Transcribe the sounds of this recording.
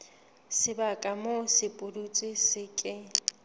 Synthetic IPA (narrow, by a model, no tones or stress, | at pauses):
sɪbakʼamosɪpʼʊdut͡sʼɪsɪkʼɪ